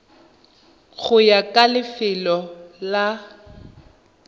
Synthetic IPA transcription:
ɣʊjakʼalɪfɪlɔla

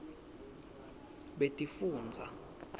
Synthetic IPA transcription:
ɓetʼifuːnd͡zʱa̰

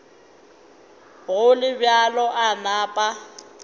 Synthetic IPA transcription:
ɣʊlɪbjalɔʔanaːpʼa

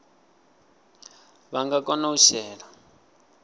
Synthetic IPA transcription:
βaŋɡakɔnauʃɛːɺa

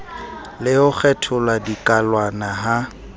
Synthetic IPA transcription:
lɪʊk͡xʰɛtʰʊlwadikʼalwanaɦa

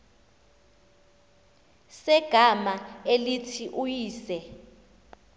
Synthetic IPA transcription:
sɛɡ̥ʱamaelitʰiʔujiːsɛ

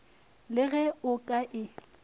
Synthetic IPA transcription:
lɪɣɛʊkʼaʔɪ

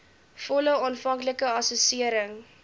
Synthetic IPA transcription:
fɔləɑnfɐŋkləkəɐsosiəɾəŋ

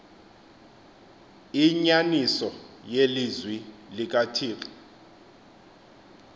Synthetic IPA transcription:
iɲanisɔjelizwilik̬ʼatʰiːkʼɔ̥

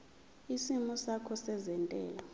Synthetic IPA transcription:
isimusakʰɔsɛzɛntʼɛ̰ːla

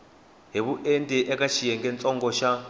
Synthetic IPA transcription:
ɦeβuʔentʼɛʔɛkaʃijɛŋɡɛnt͡sʼɔŋɡɔʃa

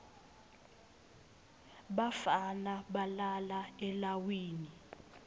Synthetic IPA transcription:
ɓafanaɓalalaɛlawiːni

